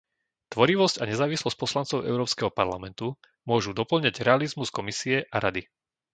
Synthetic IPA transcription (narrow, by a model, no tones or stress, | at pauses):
t̪ʋɔɾiʋɔscaɲɛzaːʋislɔsc̚pɔslant͡sɔʊɛ̰ʊɾɔːpskɛɦɔpaɾlamɛnt̪u | mʊɔʒud̪ɔpl̩ɲaɟɾɛalizmuskɔmisiɛʔaɾad̪i